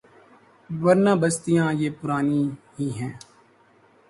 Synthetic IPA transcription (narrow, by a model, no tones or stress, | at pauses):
ʋəɾnaːbəst̪ijãːjeːpʊɾaːniːɦiːɦɛ̃ː